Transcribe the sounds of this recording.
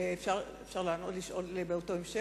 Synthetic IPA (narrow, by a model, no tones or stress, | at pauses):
efʃaʁefʃaʁlaːno̞tliʃʔo̞lebeoto̞emʃe